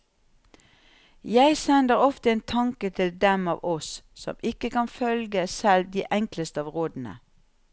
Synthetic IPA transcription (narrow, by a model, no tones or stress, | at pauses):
jæɪsɛnd̪əʁɔft̪əeːnt̪ʰɑŋkət̪ʰɪld̪ɛmɑ̰ːʋʔɔsːɔ̰mɪkəkɑnfœlɡəsɛld̪iːʔɛŋkləst̪əɑːʋʁoːd̪n̩ə̰